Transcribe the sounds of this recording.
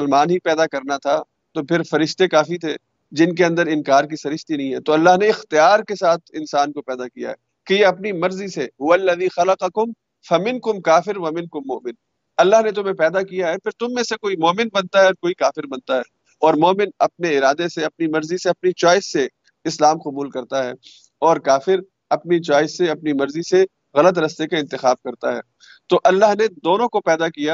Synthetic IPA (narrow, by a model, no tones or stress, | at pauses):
ɐlmaːnɦipɛːd̪akɐɾnat̪ʰa | t̪opʰɪɾfɐɾɪʃt̪ekaːfit̪ʰe | d͡ʒɪnkeɐ̃nd̪əɾɪ̃nkaːɾk̬isɐɾɪʃt̪inɐɦĩɦɛːt̪oɐlːaɦneɪxt̪ijaːɾkesaːt̪ʰɪ̃nsaːnkopɛːd̪akija̰ɦɛː | kejeɐpnimɐɾziseɦʊʋɐlːɐðiːxɐlɐqɐkʊm | fɐmɪ̃nkʊmkaːfɪɾʋɐmɪ̃nkʊmːʊ̰ːmɪn | ɐlːaɦnet̪ʊmɦẽpɛːd̪akijaɦɛpʰɪɾt̪ʊmːẽsekoːimɔːmɪnbɐnt̪aɦɛɔːɾkoːikaːfɪɾbɐnt̪aɦɛː | ɔːɾmɔːmɪnɐp̚neɪɾaːd̪eseɐp̚nimɐɾziseɐpnit͡ʃɔːɪsːe | ɪslaːmqʊbuːlkɐɾt̪aɦɛː | ɔːɾkaːfɪɾ | ɐpnit͡ʃaːɪsːeɐpnimɐɾzise | ɣɐlət̪ɾɐst̪ekaɪ̃nt̪ɪxaːb̚kɐɾt̪aɦɛ̰ː | t̪oːʔɐlːaɦned̪oːnõkopɛːd̪akijaː